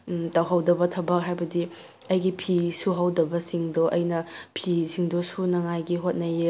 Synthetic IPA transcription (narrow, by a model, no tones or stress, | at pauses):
tɐwɦɐwdɐbɐtʰɐbɐk̚ɦajbɐdi | ɐjɡipʰisuɦɐwdɐbɐsiŋdoʔɐjnɐpʰisiŋdosunɐŋajɡiɦot̚nɐje